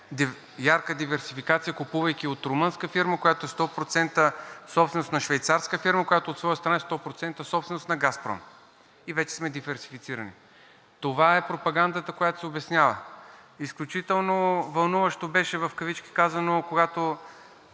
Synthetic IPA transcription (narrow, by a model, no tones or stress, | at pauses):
d̪i | jaɾkəd̪ivɛɾsifikat̪sijəkupuvɐjkʲiot̪ɾʊmənskəfiɾməkojat̪oɛst̪ɔpɾot̪sɛnt̪əsɔpsɛnost̪nɐʃvɛjt̪saɾskəfiɾməkojat̪oːt̪svɔjəst̪ɾɐnaɛst̪ɔpɾot̪sɛnt̪əsɔpst̪vɛnost̪nɐɡaspɾɔ̰m | ivɛt͡ʃɛ̥smɛd̪ivɛɾsi̥fit̪siɾənḭ | t̪ovaɛpɾopɐɡand̪ət̪əkojat̪o̥sɛobɛsnʲjavə̰isklʲut͡ʃit̪ɛlˠnovɐlˠnuvəʃt̪obɛʃɛvɐfkɐvit͡ʃki̥kazɐnokoɡat̪o